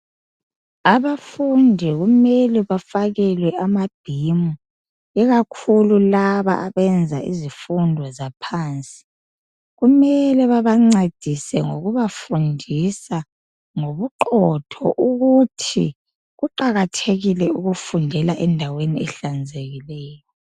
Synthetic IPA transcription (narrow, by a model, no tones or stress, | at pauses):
aβaffundʱɛɣumɛlɛβafaɣɛlwɛʔamab̥ʱimu | ɛɣakʰululaβa̰ʔaβɛnd͡zʱa̰ʔḭzifundʱwɔzapʰaːnt͡sʼi̥ | ɣumɛlɛβaβaŋ͡ǀed̥ʱisɛŋoɣuβafundʱisa | ŋoβuǃɔtʰɔ̰ʔuɣutʰḭ | ɣuǃaɣatʰeɣilɛuɣufundʱɛlaʔɛndʱaweniɛɬand͡zʱeɣilɛːjɔ